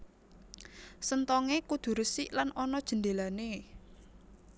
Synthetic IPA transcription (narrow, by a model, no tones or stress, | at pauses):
sənt̪ɔŋekud̪̥ṳɾəsiʔlanɔnɔd̥ʒ̥ə̤nd̪e̤lane